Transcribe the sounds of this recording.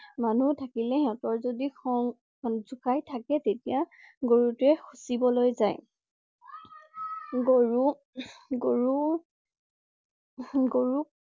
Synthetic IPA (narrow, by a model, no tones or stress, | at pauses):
manutʰakilɛhiɔtɔɹzodixɔŋ | zukajtʰakɛtetijaɡoɹutʊɛxʰusibɔlojzaj | ɡoɹu | ɡoɹu | ɡoɹuk